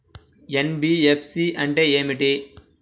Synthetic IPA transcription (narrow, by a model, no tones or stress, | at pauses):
enbiːepʰsiːʔɐɳʈeeːmiʈi